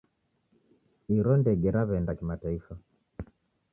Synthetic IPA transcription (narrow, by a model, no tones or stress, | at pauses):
iɾɔndɛɡɛɾaβɛndakimataifa